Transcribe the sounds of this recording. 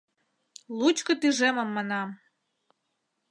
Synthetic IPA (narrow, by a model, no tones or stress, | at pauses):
lˠut͡ɕkɤ̆t̪yʒemə̆mːɑnɑm